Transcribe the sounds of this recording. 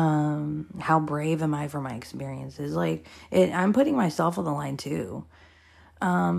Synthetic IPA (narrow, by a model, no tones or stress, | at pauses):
ʌ̃mhaʊbɹeɪvɨ̃maɪfə˞maɪɨkspɪɹiɨ̃nsɪzlaɪkʔɪɾã̰ɪ̃mpʊɾɪ̃ŋmaɪsɛlˠfn̩ðəlãɪ̃ntʰʉ | ʔʌ̃m